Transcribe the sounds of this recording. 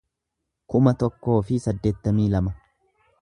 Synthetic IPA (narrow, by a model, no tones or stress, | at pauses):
kʊmɐt̪ɔkːo̞ːfɪsɐd̪ːe̞ːt̪ːɐmiːlɐmɐ